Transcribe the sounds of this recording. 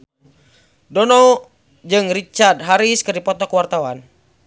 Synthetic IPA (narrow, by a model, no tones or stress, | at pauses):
dɔnɔ | d͡ʒɨŋrit͡ʃard̪̚ɦaɾiskɨrdipɔt̪ɔkwart̪awan